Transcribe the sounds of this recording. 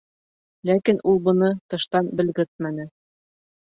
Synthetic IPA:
lækinʔulˠbɤ̆nɤt̪ɤ̆ʃt̪ɑnbɘ̆lɡɘɾt̪̚mænɘ

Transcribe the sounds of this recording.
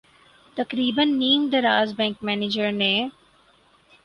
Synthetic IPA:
t̪ɐqɾiːbənːiːmd̪ɐɾaːzbɛ̃ːŋkmɛːneːd͡ʒəɾnẽ

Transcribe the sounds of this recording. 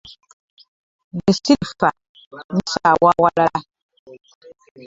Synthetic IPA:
dɛsilfa | n̩sawawala

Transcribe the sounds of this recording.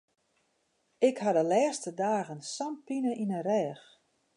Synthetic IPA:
ɪkhadəlɛːstədaːɣənsampinəʔinərɛːx

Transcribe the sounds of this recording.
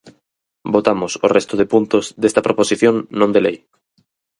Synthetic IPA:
bot̪amosorest̪ʊð̞epunt̪ozðest̪ɐpɾʔoposiθjoŋːõnd̪elej

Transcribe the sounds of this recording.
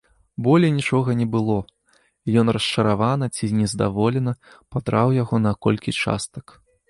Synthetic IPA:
bɔlʲɛnʲit͡ʂɔɣɐnʲɛbɨlˠɔ | jɔnrɐst͡ʂɐɾavanɐt͡sʲinʲɛzd̪a̰vɔlʲɛnɐ | pad̪ɾawjaɣɔnɐkɔlʲkʲit͡ʂa̰st̪ɐ̥k

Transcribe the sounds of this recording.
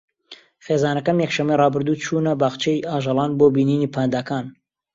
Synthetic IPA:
χeːzaːnɐkɐmjɛkʃɐmːejrɑːbɨɾd̪uːt͡ʃʰuːnɐbaːχt͡ʃʰejʔaːʒɑlˠɑːnboːbiːniːniːpʰaːnd̪aːkaːn

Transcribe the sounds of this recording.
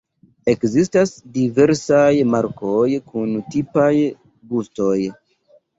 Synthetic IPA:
e̞kzistasdive̞ɾsajmaɾkʰo̞jkuntipaj | busto̞j

